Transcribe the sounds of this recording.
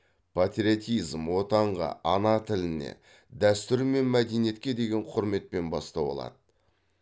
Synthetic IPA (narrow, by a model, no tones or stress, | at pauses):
pʰat̪ɾʲiot̪ijzmwo̞t̪ɑɴʁɑ̰ʔɑnɑt̪ʰɪlɪne̞̰ | d̪æst̪ɪɾme̞nmæd̪e̞nije̞t̪kʲe̞d̪e̞ɡʲe̞ɴqʰʊɾme̞t̪̚pe̞nbɑst̪ɑbo̰lˠɑ̰d̪ə